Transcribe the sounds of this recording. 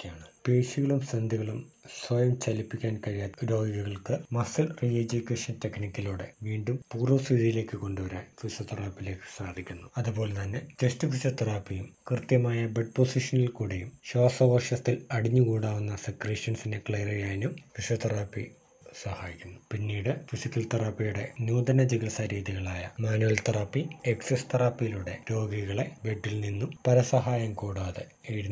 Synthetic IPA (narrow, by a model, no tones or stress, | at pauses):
kʲːaːɳɨpeːɕiɣɐɭumsɐnd̪ʱiɣɐɭumswɐjɐmt͡ɕɐlipːikʲːaːnkɐɾijaːuɾo̞ːɡiɣɐɣɐɭkɨmɐsilried͡ʑukʲːeːʂɐnt̪eknikʲːiluːɽe̞̰ʋiːɳɖumpuːrɐsiðijile̞ːkːɨko̞ɳɖuʋɐɾa̰ːnkiɕɐt̪ːɐraːpːile̞ːkːɨ̥saːd̪ʱikʲːunːuɐðupo̞ːlet̪ɐnːe̞t͡ɕestɨfiɕɐt̪ːɐraːpːijumkrt̪jɐmaːjɐbeɖ̚po̞siʂɐnilkuːɽejumɕo̞ːsɐʋɐʂjɐst̪ːilɐɽiɲːukuːɽaːʋunːɐsɐkriːʂɐnsinekɭejrijaːjnumkiʂɐt̪ɐraːpːḭ | sɐhaːjikʲːunːupinːiːɽɨfisikʲːɐlt̪ɐrapːijuɽe̞̰nuːd̪ɐnɐd͡ʑiɣisaɾiːðiɣɐɭaːjɐmaːnuʋɐlt̪ɐrɐpːieksest̪ɐrɐːpːijiluɽe̞ɾo̞ːɡiɣɐɭe̞be̞ɖːilninːumpɐɾɐsɐɦaːjɐmkoːɽaːðɨ | eɽiun